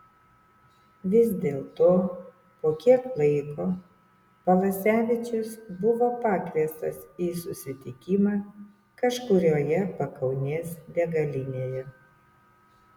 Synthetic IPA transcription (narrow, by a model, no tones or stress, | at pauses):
ʋʲɪzʲd̪ʲeːlˠt̪oː | poːkʲiɛklˠɐɪkoː | pɐʋˠɐsʲæːʋʲɪt͡ʃʲʊsbʊʋoːpɑːkʋʲiɛst̪ɐsiːsʊsʲɪt̪ʲɪkʲɪmɑː | kɐʃkʊɾʲoːjɛpɐkɐʊnʲeːsd̪ʲɛɡɐlʲɪnʲeːjɛ